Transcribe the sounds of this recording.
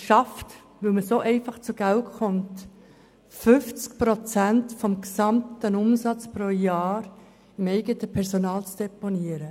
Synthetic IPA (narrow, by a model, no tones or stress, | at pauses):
ʃɑft | ʋɵlməsoʔɛɪfɑχt͡suɡ̥æltχɔmt | fʏft͡skpɾot͡sæntfɔmksɑmtənʊmsɑt͡spɾoːjaːɾ | ɪmɛɪɡətəpʰɛɾsonɑːlt͡sd̥eponiəɾə